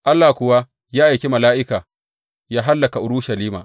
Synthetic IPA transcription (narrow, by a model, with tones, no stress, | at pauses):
ʔa˦lːaː˨kʷʊ˨wa˦ | jaː˦ʔa˨jkʲe˦mɐ˨laː˦ʔɪ˦kaː˨ | jaː˦ɦa˦lːɐ˨ka˨ʔʊ˨ɾʊ˦ʃɐ˨liː˦ma̰ː˨